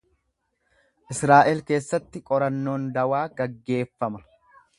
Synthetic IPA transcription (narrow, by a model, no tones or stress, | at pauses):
ʔɪsɾaːʔɛlke̞ːsːɐt̪ːɪkʼɔɾɐnːo̞ːnd̪ɐwaːɡɐɡːe̞ːfːɐmɐ